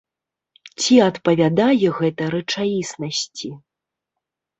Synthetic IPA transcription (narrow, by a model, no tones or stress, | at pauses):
t͡sʲiɐt̪pɐvʲad̪ajɛɣɛt̪ɐɾɐt͡ʂajisnɐsʲt͡sʲi